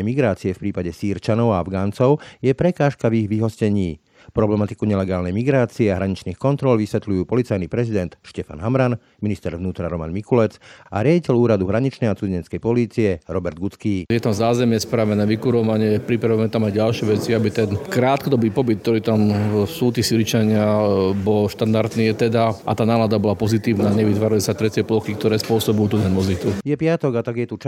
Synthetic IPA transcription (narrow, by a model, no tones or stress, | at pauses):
miɡɾaːt͡siɛfpɾiːpaɟɛsiːɾt͡ʃanɔʊaavɡaːnt͡sɔʊjɛpɾɛkaːʃkaviɣʋiɦɔscɛɲiː | pɾɔblɛmat̪i̥kuɲɛlɛɡaːlnɛjmiɡɾaːt͡siɛaɦɾaɲit͡ʃniːxkɔnt̪ɾɔlʋisʋɛt̪lujuːpɔlit͡sajnipɾɛzid̪ɛnt̪ʃcɛfa̰nɦamɾan | minist̪ɛɾʋnuːt̪ɾaɾɔma̰nmikulɛt͡sʔa̰ɾɪaɟicɛluːɾad̪uɦɾaɲit͡ʃnɛjat͡suzɛɲɛt͡skɛjpɔliːt͡siɛɾɔbɛɾd̪̚ɡut͡skiːjɛt̪amzaːzɛmjɛspɾaʋɛnɛːʋikuɾɔʋaɲɪɛpɾipɾaʋuɛmɛt̪amajɟalʃɪɛʋɛt͡siabit̪ɛnkɾaːt̪kɔd̪ɔbiːpɔbit̪̚kːt̪ɔɾiːt̪amsuːt̪iːsiɾit͡ʃaɲɪabɔlʃt̪and̪aɾt̪niːjɛt̪ɛd̪aʔa̰t̪aːnaːlad̪abɔlapɔzit̪iːʋnaːɲɛʋit̪ʋaːɾalisat̪ɾɛcɪɛplɔxik̚t̪ɔɾɛːspʊɔsɔbujuːt̪ut̪ɛnmɔzit̪ujɛpɪat̪ɔɡat̪aɡjɛt̪ut͡ʃ